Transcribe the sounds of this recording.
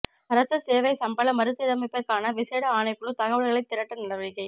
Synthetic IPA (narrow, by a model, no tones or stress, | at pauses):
ɐɾɐsɐseːʋɐɪsɐmbɐlɐmɐɾɯt̪ːɯɪɾɐmɐɪpːɐɾkaːnɐʋɪseːɽɐaːɳɐɪpːɯɭɯt̪ɐɣɐʋɐɭɣɐɭɐɪt̪ːɪɾɐʈːɐnɐɽɐʋɐɾɪkːɐɪ